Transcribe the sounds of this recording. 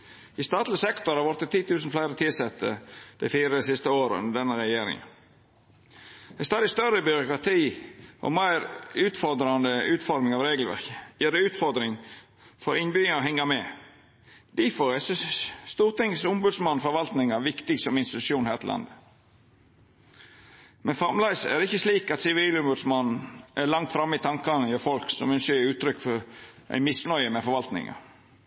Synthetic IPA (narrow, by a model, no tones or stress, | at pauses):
ɪst̪ɑːt̪lɪsɛkt̪ɔɾhɑʋɔɾt̪ːət̪ʰːiːt̪ʰʉːsnflæɪɾət̪ʰɪlsɛt̪ʰːə̰d̪̥æ̰ɪfiːɾəəsɪst̪əoːɾəʉ̰nd̪əd̪ɛnːəɾɛjeːɾɪ̰ŋə̰n | æɪst̪ɑːd̪ɪst̪œɾəbʏɾʊkɾɑt̪ʰiːʔɔ̰mæɪɾʉːt̪fɔɾd̪ɾɑnd̪əʉːt̪fɔɾmɪŋɑʋɾeːɡəl̩ʋæ̰ɾkəjeːɾəʉːt̪fɔɾd̪ɾɪŋ | fɔɾɪnbyːɔɦɛŋːɑmɛ | d̪̥ifɔɾæsst̪uːɾt̪ɪŋsʊmbʉd̪smɑnfɔɾʋɑlt̪nɪŋɑʋɪkt̪ɪɡsɔmɪnst̪ɪt̪ʉ̥ʃuːnhæːɾt̪əlɑ̰nd̪ə | mɛnfɑmlæɪsæ̰dɪçːəsliːkɑt̪sɪʋiːlʊmbʉd̪smɑnn̩ʔælɑŋt̪fɾɑmːɪt̪ʰɑŋkɑnəjøfɔlksɔmʏnsəʉːt̪ʰɾʏkːfɔɾʔæ̰ɪmɪsnœʏəmɛfɔɾʋɑlt̪nɪ̰ŋɑ̰